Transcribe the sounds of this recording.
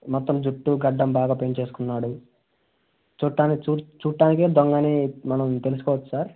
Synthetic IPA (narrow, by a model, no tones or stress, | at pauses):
mɔt̪ːɐmd͡ʒuʈːuɡɐɖːɐmbaːɡaːpeɲt͡ʃe̞ːsu̥kunːaːɽu | t͡ʃuːʈːaːnit͡ʃuːt͡ʃuːʈːaːnikeːd̪ɔŋɡɐnimɐnɐmt̪e̞lus̬ukɔːʋɐt͡ʃːu̥saːɾ